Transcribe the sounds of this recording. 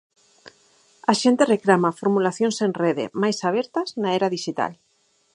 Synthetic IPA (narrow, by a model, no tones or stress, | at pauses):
aʃent̪ereklamafoɾmulaθjõnsenreðḛmajsaβ̞ɛɾt̪ɐznaeɾaðiʃit̪a̰l